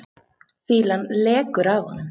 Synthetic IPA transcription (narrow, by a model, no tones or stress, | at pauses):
fiːlanlɛːkʏɾava̰nː